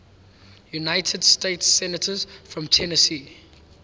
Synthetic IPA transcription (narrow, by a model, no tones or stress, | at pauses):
junaɪtʰədsteɪtsɛnətʰəzfɹɔ̃mtʰɛnəsiː